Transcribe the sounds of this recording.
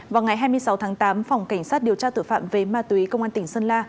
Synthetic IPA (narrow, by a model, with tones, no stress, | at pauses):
vaː˨˩wŋa˨˩jɦaː˧jmɨ˧əsa˨˦wt̪ʰaː˨˦ŋt̪aː˨˦mfɔ˨˩wŋ͡mka˧˩jŋ̟saː˦˥t̚ɗi˨˩əwt͡ɕaː˧t̪ɨ̰˧˩fa̰ː˧˨mve˨˩maː˧t̪i˨˦kə˧wŋ͡mʔaː˧nt̪ŋ̟sə˧nlaː˧